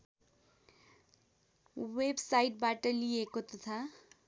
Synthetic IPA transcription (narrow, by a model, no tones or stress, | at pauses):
websaiʈ̚baʈəliekot̪ət̪ʰa